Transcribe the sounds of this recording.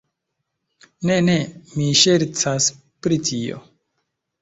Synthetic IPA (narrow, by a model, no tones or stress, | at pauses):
ne̞ne̞miʃe̞ɾt͡sas | pɾitʰio̞̰